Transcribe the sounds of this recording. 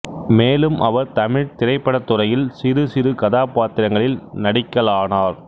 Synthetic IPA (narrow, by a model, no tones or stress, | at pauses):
meːlɯmʔɐʋɐɾt̪ɐmɪɻt̪ɪrɐɪpːɐɽɐt̪ːʊrɐjɪlsɪɾɯsɪɾɯkɐðaːpaːt̪ɪɾɐŋɡɐɭɪlnɐɽɪkːɐɭaːnaːɾ